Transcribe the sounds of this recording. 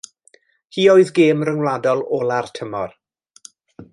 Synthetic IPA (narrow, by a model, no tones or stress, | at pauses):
hiːoɨðɡeːmrəŋlˠadɔlˠoːlartʰəmɔr